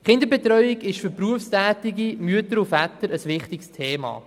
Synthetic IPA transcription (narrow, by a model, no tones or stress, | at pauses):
χɪndəɾbɛt̪ɾœʏɪɡɪʃfʏpɾuəfstæːtɪɡimyətəɾufæt̪əɾəsʋɪχtɪkstʰeːmɑ̰ː